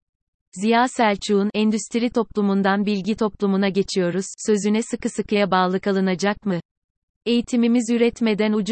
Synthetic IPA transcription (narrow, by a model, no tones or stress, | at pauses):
zijaːsælʲt͡ʃʰuːnɛnd̪yst̪ʰiɾit̪ʰo̞plˠumund̪anbilʲɟit̪ʰo̞plˠumunaɟe̞t͡ʃʰijo̞ɾuz̥sø̞zynɛsɯkɯsɯkɯjabaːlˠɯkalˠɯnad͡ʒak̚mɯ | e̞jit̪ʰimimizyɾɛt̪me̞d̪ænud͡ʒ